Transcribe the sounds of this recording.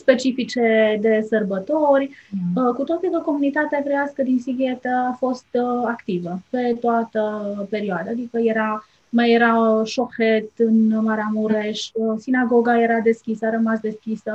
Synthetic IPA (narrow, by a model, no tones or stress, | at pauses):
spe̞t͡ʃifit͡ʃe̞d̪e̞sərbət̪orʲkut̪ot̪sikəko̞munit̪at̪eakɾejaskəd̪insiɡʲet̪əafo̞st̪akt̪ivəpe̞t̪oat̪əpe̞ɾioad̪aːd̪ikəje̞ɾa | majeɾaʃo̞xet̪ɨnmaɾeamuɾe̞ʃsinaɡo̞ɡaje̞ɾad̪e̞skʲisəaɾəmasd̪e̞skʲisə